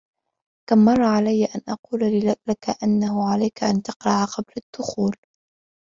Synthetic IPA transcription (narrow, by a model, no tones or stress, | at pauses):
kamːɑrˤːɑʕalajːaʔanʔɑquːlalakaʔanːahʊʕalajkaʔant̪ɑqɾˤɑʕaqɑblad̪̥ːʊxuːl